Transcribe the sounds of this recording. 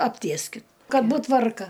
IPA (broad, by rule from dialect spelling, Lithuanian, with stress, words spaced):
ɐpʲˈtʲiɛsʲkʲɪt ˈkɐt ˈbuːt ˈtʋɐrkɐ